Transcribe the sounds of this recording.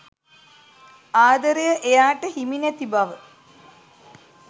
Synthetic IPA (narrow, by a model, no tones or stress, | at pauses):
aːd̪əɾejəʔejaːʈəhiminet̪ibaʋə